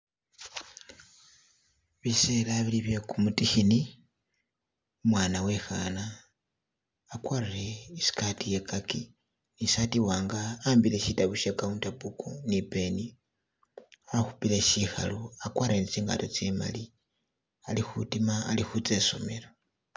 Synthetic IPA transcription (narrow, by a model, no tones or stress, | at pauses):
βiselaβiliβje̞kumutixini | umwaːnawe̞xana | kwarireisi̥katije̞kaki | nisatiwaːŋɡaːmbile̞ʃitaβuʃekauntapukonipe̞ni | axupile̞ʃixa̰loakwaɾenit͡siːŋɡa̰to̞t͡sema̰li | alixutimaːlixut͡se̞so̞me̞la